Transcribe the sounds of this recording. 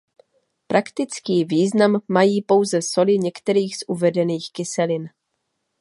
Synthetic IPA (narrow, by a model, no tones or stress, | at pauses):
pɾʔakt̪ɪt͡skiːviːznamːajiːpo̞wzɛso̞lɪɲɛkt̪ɛɾiːxz̥ʔuvɛdɛniːxkɪsɛlɪn